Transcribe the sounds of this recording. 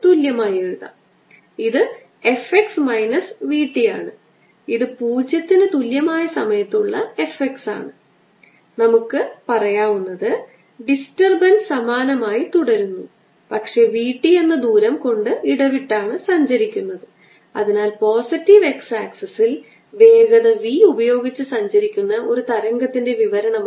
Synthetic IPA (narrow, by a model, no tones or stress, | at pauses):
t̪uljɐmaːje̞ɻuðɐ̰ | iðɨ | e̞feksmɐjnɐsʋiːʈːija̰ːɳɨ | iðɨpuːd͡ʑjɐt̪ːinɨt̪uljɐmaːjɐsɐmɐjɐt̪ːuɭːɐe̞feksa̰ːɳɨ | nɐmukːɨpɐrɐjaːʋunːɐðɨ | ɖistɐrbɐnsɐmaːnɐmaːjit̪uɽɐɾunːu | pɐkʂe̞ːʋiːʈːije̞nːɐd̪uːɾɐmko̞ɳɖɨiɽɐʋiʈːaːɳɨsɐɲd͡ʑɐɾikʲːunːɐðɨ | ɐ̰ðinaːlpo̞ːsitːiʋe̞ksaːksɐsil | ʋe̞ːɡɐðɐʋiubɐjo̞ːɡit͡ɕːɨsɐɲd͡ʑɐɾikʲːunːɐʔo̞ɾut̪ɐɾɐŋɡɐt̪ːinde̞ʋiʋɐɾɐɳɐm